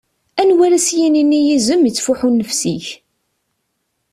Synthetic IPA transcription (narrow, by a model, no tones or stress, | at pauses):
ænwæɾæsjininːijizəmət͡sːfuħunːəfsiç